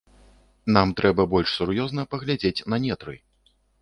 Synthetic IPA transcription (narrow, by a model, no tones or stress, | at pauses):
n̪amt̪ɾɛbɐbɔlʲʂsurjɔznɐpɐɣlʲad͡zʲet͡sʲnɐnʲɛt̪ɾɨ̰